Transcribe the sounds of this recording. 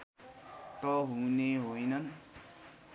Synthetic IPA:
t̪ʌɦũneɦojnʌn

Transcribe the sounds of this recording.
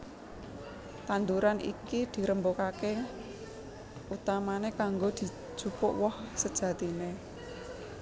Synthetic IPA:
t̪and̪uɾanʔḭkid̪̥i̤ɾəmbokake | ut̪amanekaŋɡod̪̥i̤̥ʒ̥ṳpʊʔwɔhsəd̥ʒ̥ä̤t̪ine

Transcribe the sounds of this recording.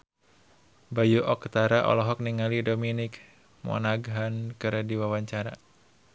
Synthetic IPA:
bajuʔɔkt̪aɾaʔɔ̰lɔɦɔk̚niŋalidominɪk | mɔ̰naɡɦankɨɾɛdiwawaɲt͡ʃaɾa

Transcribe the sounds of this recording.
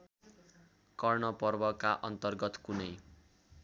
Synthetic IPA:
kʌrnʌpʌrbʌkaʔʌnt̪ʌrɡʌt̪kunʌj

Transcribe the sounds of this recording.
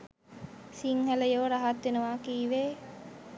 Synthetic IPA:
siŋhæləjoːɾaɦat̪ːʋenuʋaːkiːʋeː

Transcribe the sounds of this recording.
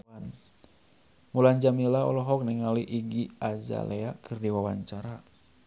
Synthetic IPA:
an | mulaɲd͡ʒamilaɔ̰lɔɦɔk̚nɛŋaliʔiɡiaza̰leakʰɨrdiwawaɲt͡ʃaɾa

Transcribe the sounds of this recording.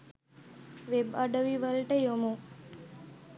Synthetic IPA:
ʋebəɖəʋiʋəlʈejomo

